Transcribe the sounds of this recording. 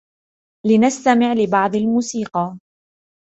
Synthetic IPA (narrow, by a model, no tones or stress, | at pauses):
lɪnast̪amɪʕlɪbɑʕd̪ˤalmuːsiːqɑ